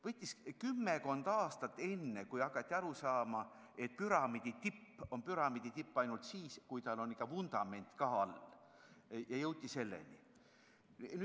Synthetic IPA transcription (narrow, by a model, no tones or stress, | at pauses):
vɤt̪ʲːˑiskymːeko̞nd̪̥ɑːst̪ɑt̪ːˑe̞nːekujɑkːˑɑt̪ʲːˑiɑɾusɑːmɑ | et̪̚pyɾɑmid̪̥it̪ipːo̞npyɾɑmid̪̥it̪ipːɑjnult̪siːskujt̪ɑlo̞nikːˑɑvund̪̥ɑme̞nt̪kɑɑl | jɑjɤwt̪ʲːˑise̞lːe̞̰nʲḭ | ny